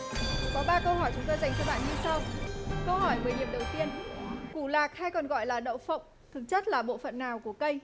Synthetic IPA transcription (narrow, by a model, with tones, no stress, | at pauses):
kɔ˨˦ɓaː˧kə˧whɔ˧˩jt͡ɕʊ˨˦ŋ͡mt̪oː˧jza˨˩jŋ̟t͡ɕɔ˧ɓa̰ː˧˨nɲɨ˧sa˧wkə˧wɦɔ˧˩jɓəː˨˦jni˧˩əmɗə˨˩wt̪i˧ənku˧˩laː˨˩k̚ha˧jkɔ˨˩nɣɔ̰˧˨jlaː˨˩ɗə̰˧˨wfə̰˧˨wŋ͡m | t̪ʰɨ˨˩k̚t͡ɕə˦˥t̚laː˨˩ɓo̰˧˨fə̰˧˨nːaː˨˩wku˧˩əkə˧j